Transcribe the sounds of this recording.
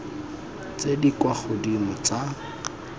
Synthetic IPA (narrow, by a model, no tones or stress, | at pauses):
t͡sedikwaχʊdimʊt͡sa